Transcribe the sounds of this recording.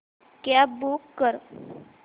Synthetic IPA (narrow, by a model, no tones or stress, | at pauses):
kjabukːəɾ